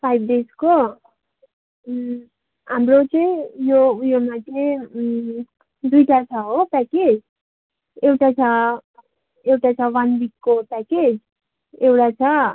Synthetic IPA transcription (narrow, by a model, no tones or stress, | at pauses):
pʰajbɖesko | ɦamrot͡sʌjjojomatʰe | d̪ujʈat͡sʰʌɦopɛked͡z | ewʈat͡sʰʌ | ewʈat͡sʰʌwanbikːopɛked͡z | ekʈat͡sʰʌ